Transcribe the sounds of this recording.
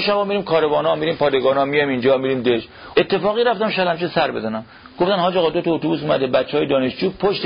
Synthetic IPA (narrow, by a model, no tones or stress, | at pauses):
ʃæbɒːmiɾiːmkʰɒːɾebɒːnɒmiɾiːmpʰɒːd̪eɡɒːnɒmijɒmind͡ʒɒːmiɾiːmd̪eʃet̪ʰːe̞fɒːɣiːɾæft̪æmʃɔæd̪hæmt͡ʃesæɾbe̞̰zænæm | ɡ̥oft̪ænhɒːd͡ʒɒːɣɒd̪ot̪ʰɒot̪obuːs̬umæ̰d̪ebæt͡ʃːeɒːjed̪ɒːneʃd͡ʒuːpʰoʃt̪